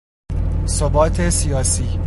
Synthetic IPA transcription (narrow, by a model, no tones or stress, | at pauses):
sobɒːt̪ʰesijɒːsiː